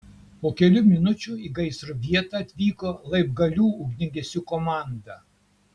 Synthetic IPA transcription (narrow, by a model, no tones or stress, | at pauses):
poːkʲɛlʲʊmʲɪnʊt͡ʃʲʊiːɡɐɪsɾʊʋʲiɛt̪ɐˑɐt̪ʲʋʲiːkoːlˠɐɪb̚ɡɐlʲuːʊɡʲnʲɪŋʲɡʲɛsʲʊkɔmɑˑnd̪ɐ